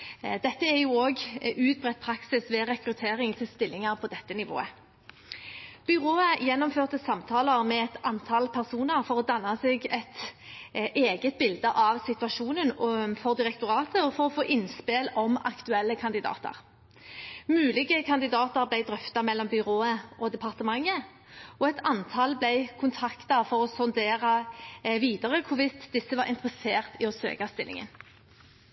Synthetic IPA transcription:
d̪ɛt̪ːəæʁjuːoːɡʉːt̪̚bʁɛt̪̚pʰɾɑksɪsʋɛːʁɛkɾʉt̪ʰeːʁɪŋt̪ʰɪlst̪ɪlːɪŋɑʁpʰɔd̪ɛt̪ːənɪʋo̰ːə | b̥ʏʁoːəjɛnːɔmføːʁt̪əsɑmt̪ʰɑːləʁmɛɛt̪ɑnt̪ʰɑlpʰæʁsuːnəʁfɔʁɔd̪ɑnːɑseːɡɛt̪ | ʔeːɡət̪̚bɪld̪əʔɑʋsɪt̪ʉʋɑʃuːnənfɔʁd̪ɪʁɛkt̪ʊʁɑːt̪əɔfɔʁɔfoːʔɪnspelɔmɑ̰kt̪ʉɛlːəkʰɑnd̪ɪd̪ɑ̰ːt̪ə̰ʁ | mʉːlɪɡəkʰɑnd̪ɪd̪ɑːt̪əʁblæɪd̪ʁœft̪ɑmɛlːɔmbʏʁoːəʔɔd̪ɛpʰɑʁt̪əmɑŋːə | ɔɛt̪ʰɑnt̪ʰɑlblɛɪkʰʊnt̪ʰɑkt̪ɑfɔʁɔspɔnd̪eːʁɑʋiːd̪ɑʁəkʰʊʁʋɪsd̪ɪsːəʋɑɾɪ̰nt̪ʁəseːʁt̪ɪɔsø̰ːkɑst̪ɪlʔɪ̰ŋə̰n

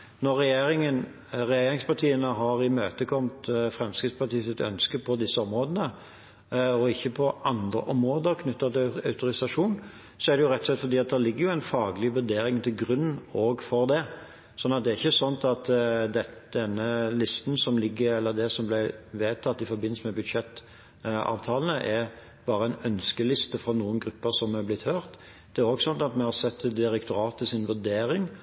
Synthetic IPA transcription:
nɔɾːɛjeːɾɪŋən | ɾɛjeːɾɪŋspɑt̪ʰiːənəɦɑɾɪmøːt̪əkʰɔmt̪fʁɛmskʁɪt̪spɑɾt̪ʰiːsɪt̪œ̰nskəpʰɔd̪ɪsːəɔmɾoːd̪ənə | ɔɪçːəpʰɔʔɑnd̪ɾə̰ʔɔmɾoːd̪əɾkʰnʏt̪ːɑt̪ɪɑʉt̪ʊɾɪsɑʂuːn | sɔæʁd̪ɛjʊʁɛt̪ːɔ̥slɛt̪fɔɾd̪iːɑt̪̚d̪æːlɪɡːəjʊæɪnfɑːɡlɪʋʉd̪eːɾɪŋt̪ʰɪlɡɾʉn̩ːoːɡfɔʁd̪ɛ | sɔnːɑt̪̚d̪ɛæɾɪçːəsɔnt̪ɑt̪d̪ɛd̪̥ɛnːəlɪst̪n̩sɔmlɪɡːəɾɛlːəd̪ɛsɔmblæɪʋeːt̪ʰɑt̪ːɪfɔɾbɪnl̩səmɛbʉd̪ʃɛt̪ː | ɑ̰ːʋt̪ʰɑːlən̩əʔæ | b̥ɑːɾəæɪnœnskəlɪst̪əfɾɑnuːənɡɾʉpːəsɔmæblɪt̪høːɾt̪ | d̪̥ɛæɾoɡsɔnt̪ɑt̪mɛhɑɾsɛt̪ːd̪ɪɾɛkt̪ʊɾɑːt̪ʰːəsɪnʋʉd̪eːɾɪŋ

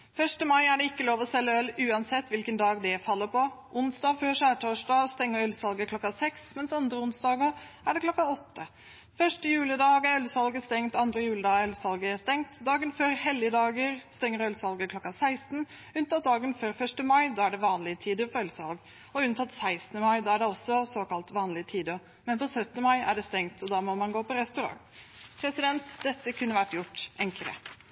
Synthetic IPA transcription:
fœʂʈəmɑɪæɖɛɪkːəloːʋɔsɛlːəœlːʉːɑnsɛt̪ːʋɪlkənd̪ɑːɡd̪ɛfɑlːəpɔʔʊnsd̪ɑːføːʂæːʈʰoːʂdɑːɔst̪ɛŋːəœlsɑlɡəkʰlɔkːɑsɛksmɛnsɑnd̪ɾəʊnsd̪ɑːɡəʔæɖɛkʰlɔkːɑɔt̪ːə | fœʂʈəjʉːlɪd̪ɑːɡæɾœlsɑlɡəst̪ɛŋt̪ɑnd̪ɾəjʉːləd̪ɑːœlsɑlɡəæst̪ɛŋt̪d̪ɑːɡənføːɾhɛlːɪd̪ɑːɡəɾst̪ɛŋːəɾœlsɑlɡəkʰlɔkːɑsæɪst̪n | ʉnt̪ʰɑːt̪̚d̪ɑːɡənføːɾfœʂʈəmɑɪd̪ɑːæɖɛʋɑːnlɪət̪ʰiːd̪əɾfɔɾœlsɑ̰lɡ | ɔʉnt̪ʰɑt̪ːsæɪst̪nəmɑɪd̪ɑːæɖɛɔsːɔsoːkɑlt̪ʋɑːnlɪt̪ʰiːd̪ɔ | mɛnpɔsœt̪ənəmɑɪæ̰ɖɛst̪ɛŋt̪ʰɔd̪ɑːmɔmɑnɡoːpɔɾɛst̪ʉɾɑ̰ŋpʰɾɛsɪd̪ɛnt̪d̪̥ɛt̪ːəkʰʉnːəʋæʈːjʊʈːʔɛŋkləɾə̰

